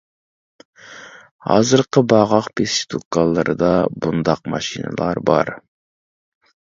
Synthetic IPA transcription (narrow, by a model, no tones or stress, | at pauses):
hɑ̰ːzɨɾqʰəbɑʁɑχpʰesʃt̪ʰukːɑlˠːɨɾʔɨd̪ɑbund̪ɑq̚mɑʃinɨ̰lˠɑɾbɑɾ